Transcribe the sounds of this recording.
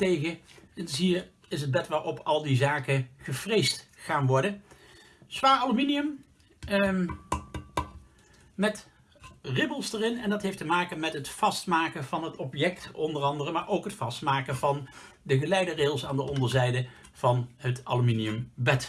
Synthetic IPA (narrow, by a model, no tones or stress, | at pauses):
tejɣəɛnɪsɦiːɹ | ɪs̬ɦəd̚bɛtʋaːɹɔpɑlˠdizaːkəχəv̥rejstχaːnʋɔɹdə | sʋaːɹɑluminiəm | mɛt | rɪbəlˠsdərɪnɛndɑtɦejftəmaːkəmɛtɦətfɑstmaːkəv̥ɑnɦətɔpjɛktɔndərɑndərəmaːɹʔowkɦətfɑstmaːkəvɑn | dəɣəlɛjdəreːɣəlˠsaːndəʔɔndəɹzɛjdə | v̥ɑnɦətɑ̰luminiɵmbɛt